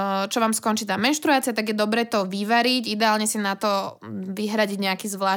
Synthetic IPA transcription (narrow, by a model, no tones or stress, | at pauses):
t͡ʃɔʋaːmskɔnt͡ʃiːt̪aːmɛnʃt̪ɾuaːt͡siat̪aɡjɛd̪ɔbɾɛːt̪ɔʋiʋaɾiɟid̪ɛaːlɲɛsinat̪ɔʋiɦɾaɟiɟɲɛakiːzʋlaː